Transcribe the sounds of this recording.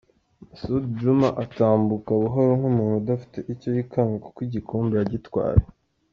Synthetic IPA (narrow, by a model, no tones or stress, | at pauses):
sudd͡ʒumaʔataːmbukaβuɦo̞ɾoŋ̥humuːnhuudafi̥te̞ʔicojikʰaŋɡokwiɟikʰoːmbejaɟitwa̰ːɾe